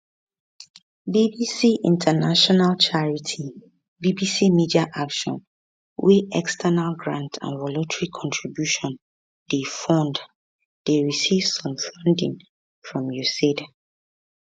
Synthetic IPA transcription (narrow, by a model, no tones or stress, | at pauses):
bibisiʔĩntʰənaʃɔnalt͡ʃʰaɹitʰi | bibisimidiaʔakʃɔ̰̃n | wʔiɛkstʰɛnalɡɹãntʰã̰nvɔlotʰɹikʰɔ̃ntʰɹibjuʃɔ̃n | d̥efɔ̃nd | d̥eɹisiv̥sɔ̃mfãndḭ̃ŋ | fɹɔ̃mjused